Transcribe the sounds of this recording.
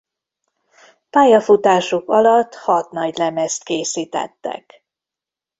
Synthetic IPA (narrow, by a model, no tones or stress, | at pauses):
paːjɒfut̪aːʃukɒlɒt̪ːhɒt̪nɒɟlɛmɛst̪keːsiːt̪ɛ̰t̪ːɛ̰k